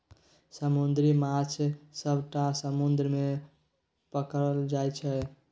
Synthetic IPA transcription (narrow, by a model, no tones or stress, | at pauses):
səmund̪ɾimat͡ʃʰsəbʱʈasəmund̪ɾəme | pəkəld͡ʒajt͡ʃʰɛ